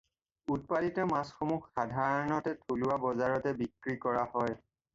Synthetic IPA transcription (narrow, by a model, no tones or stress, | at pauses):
ut̚palitɔmasxomuxxadʱaɹɔnɔtɛtʰuluwabɔzaɹɔtɛbikɹikɔɹahɔj